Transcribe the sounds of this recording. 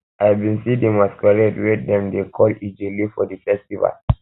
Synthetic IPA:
ʔajavbĩnsidemaskaɹɛdwɛtdɛ̃mdekʰɔlid͡ʒelifɔdəfɛstiva̰l

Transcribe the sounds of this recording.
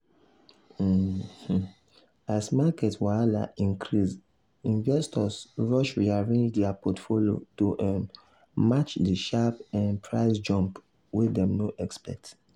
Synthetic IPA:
h̩ | asmakɛtswaala̰ĩŋkʰɾis | ĩnvɛstɔsɹɔʃɹiaɹẽnd͡ʒdɛapɔtfoljo̰toʔɛ | mat͡ʃdiʃapãnpʰɹaɪsd͡ʒɔ̃mp | widɛ̃mnoʔɛkspɛ̰k̚t

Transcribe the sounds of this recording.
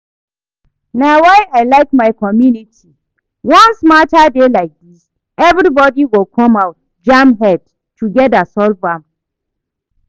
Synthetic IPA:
nawajʔajlajkmajkɔmjunitʰi | wɔ̃nsmatadelajk̚dis | ʔɛvɾibɔdiwɪlkʰɔmawt̚ | d͡ʒamɦɛd̚ | tuɡɛtdasɔlvam

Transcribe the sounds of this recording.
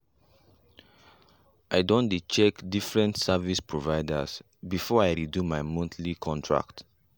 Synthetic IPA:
ʔaɪdõnit͡ʃɛkdifɹɛ̃ntsavispʰɹovaɪdas | bifɔaɪɹidumajmɔ̃nθʰlikʰɔ̃ntʰɹa̰kt

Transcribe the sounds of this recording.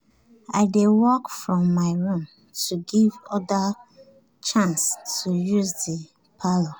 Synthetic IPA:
aɪdewɔkfɹɔ̃mːaɪɹũm | tʰuɡivɔda | t͡ʃãnstujuzdi | pʰalo

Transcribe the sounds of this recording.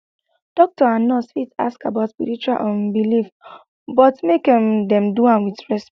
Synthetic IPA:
d̥ɔk̚tɔãnɔsfita̰skabaʊtspiɾit͡ʃualʔɔ̃nbilif | bɔtmekĩmdɛ̃mduãnwidɹɛsp

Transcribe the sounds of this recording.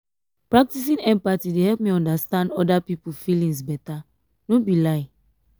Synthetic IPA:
pɹak̚tisĩnɛ̃mpatidehɛlp̚miɔ̃ndastãndɔdapipufilĩŋsbɛta | nobilaɪ

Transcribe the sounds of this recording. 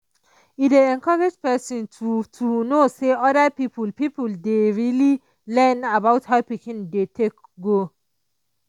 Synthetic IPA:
ideɛ̃nkʰaɹɪd͡ʒpɛsə̃nttʰunoseɔdəpipəlpipəldeɹili | lɛnabaʊthawpikĩndetʰek | ɡo

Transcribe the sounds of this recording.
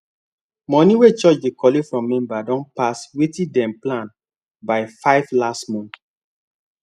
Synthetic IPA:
mɔ̃niwet͡ʃɔt͡ʃdekɔlefɹɔ̃mːɛ̃mbadɔ̃npaswetĩdɛ̃mplãn | baɪfaɪvlastmɔ̃n

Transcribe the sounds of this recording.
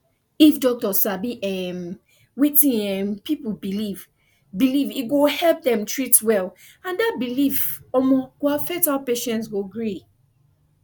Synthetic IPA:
ifdɔk̚tɔsabiʔɛm | witĩɛmpipubiliv | biliviɡohɛlp̚dɛ̃mtʰɹitwɛl | ãndat̚bilifɔmɔɡ̥oafetalpeʃɛ̃ntsɡoɡɹi

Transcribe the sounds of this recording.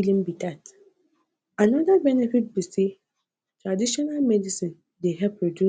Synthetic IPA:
lĩmbitat | anɔdabɛnɛfit̚bise | tɾadiʃɔnalmɛdisĩn | deɦɛpɹodju

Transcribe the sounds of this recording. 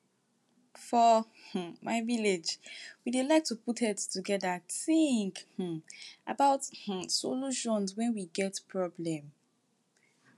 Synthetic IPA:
fɔ | h̩maɪviled͡ʒwidelaɪk̚tuputʰɛttuɡɛdatĩŋkh̩a̰baʊth̩soluʃɔ̃nzwɛ̃nwiɡɛtpʰɹɔblɛ̃m

